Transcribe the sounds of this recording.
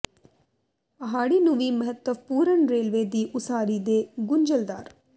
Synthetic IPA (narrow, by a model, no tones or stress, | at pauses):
ɐɦaːɽinũʋiːməɦət̪ːəʋpuːɾəɳɾeːlʋeːd̪iːʔʊsaːɾiːd̪eːɡʊɲd͡ʒəld̪a̰ːɾ